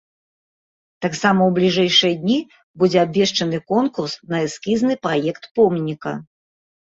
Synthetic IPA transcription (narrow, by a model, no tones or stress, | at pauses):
t̪aksamɐwblʲiʐɛjʂɨjɐd̪ʲnʲi | bud͡zʲɛabʲvʲɛʂt͡ʂɐnɨkɔnkursnɐɨskʲiznɨpɾajɛkt̪pɔmnʲikɐ